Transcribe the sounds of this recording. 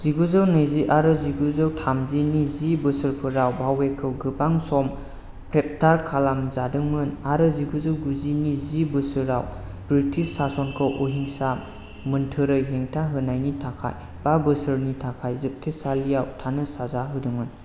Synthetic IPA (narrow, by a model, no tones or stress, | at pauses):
z̥iɡuzɯwnɯjziʔaɾɯziɡuzɯwtʰamzinizibɯsɯɾpʰɯɾawbawekʰɯwɡɯbaŋsɔm | pʰɾep̚tʰaɾkʰalamzadɯŋɯnaɾɯziɡuzɯwɡuzinizibɯsɯɾaw | bɾitʰisːasɔnkʰɯwʔoɦiŋsa | mɯntʰɯɾɯjɦeŋtʰaɦɯnajnitʰakʰa̰j | b̥abɯsɯɾnitʰakʰajzɯk̚tʰesalijawtʰanɯsazaɦɯdɯŋɯn